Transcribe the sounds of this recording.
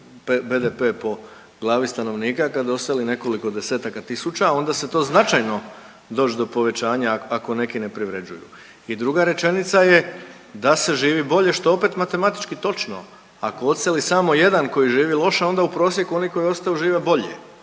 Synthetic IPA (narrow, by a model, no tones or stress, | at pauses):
pbe̞d̪epe̞ːpo̞ | ɡlˠaːʋist̪ano̞ʋniːkakad̪o̞st̪aline̞ko̞liko̞d̪e̞se̞ːt̪akat̪isut͡ɕao̞nd̪ase̞t̪o̞ːznat͡ʃajno̞ | d̪o̞ːd͡ʑd̪o̞po̞ʋe̞t͡ɕaːɲaako̞ne̞kine̞pɾiʋɾe̞d͡ʑujṵ | id̪ɾuɡaɾe̞t͡ʃe̞nit̪saje̞ | d̪ase̞ʒiːʋibo̞ʎe̞ʃt̪oo̞pe̞t̪mat̪e̞mat̪i̥t͡ʃkit̪o̞t͡ʃno̞̰ | ako̞o̞t̪selisamo̞je̞d̪anko̞jiʒiːʋilo̞ʃao̞nd̪aupɾo̞ːs̬je̞kuo̞niko̞jio̞st̪ajuʒiːʋe̞bo̞ʎḛ